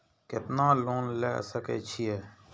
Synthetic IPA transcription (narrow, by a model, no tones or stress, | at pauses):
kɪt̪naːloːnlɛ̰ːsəkḛːt͡ʃʰijeː